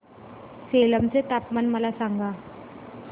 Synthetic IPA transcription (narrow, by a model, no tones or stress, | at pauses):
seːləmt͡set̪apmənməlasãŋɡʱaː